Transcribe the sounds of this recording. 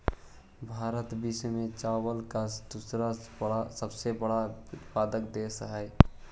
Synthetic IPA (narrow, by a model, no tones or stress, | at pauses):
bʱaɾət̪bismet͡ʃawəlkasd̪usɾaɽasəbsebəɽatpad̪əkd̪esɦɛj